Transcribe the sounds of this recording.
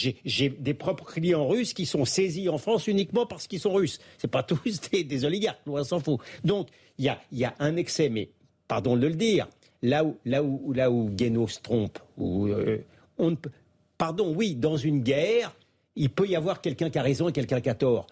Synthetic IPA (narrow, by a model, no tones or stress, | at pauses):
ʒeʒed̪epχɔpχə̥klijɑ̃ʁyskʲisɔ̃seziɑ̃fχɑ̃synikmɑ̃paʁsə̥kilsɔ̃ʁysːɛpat̪usd̪ed̪ezɔliɡaʁklwɛ̃sɑ̃fod̪ɔ̃k | iljailjaʔɛ̃nɛksɛmɛ | paʁd̪ɔ̃d̪ələd̪iːʁ | laulauːlauɡenosə̥t̪χɔ̃pṵø | ɔ̃nəp | paʁd̪ɔ̃wid̪ɑ̃zynɡʲɛʁ | ilpøjavwaʁkʲɛlkɛ̃kaʁezɔ̃ekʲɛlkʲɛ̃kat̪ɔːʁ